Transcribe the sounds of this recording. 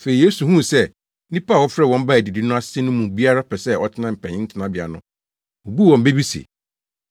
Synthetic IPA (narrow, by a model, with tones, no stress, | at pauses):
fe˨ɾi˨je˦su˨ɦũ˦˨sɛ˦˨ | nĩ˦paː˦˨wɔ˦fɾɛ˦˨wɔ̃˦m̩˦ba˦æ˨di˨di˦nʊ̃˦a˦ssɛ˦nʊ̃˦mũ˨bi˦a˦ɾa˦pʰɛ˨sɛ˦ɔ˦tʰɪ˦nã˦˨m̩˨pʰɛ̰̃˨ɪ̃˦n̩˦tʰɪ˦nã˦bɪ˨a̰˨nʊ̃˦ | o˨bu˦˨wɔ̃˨m̩˦be˦bi˦sḭ˨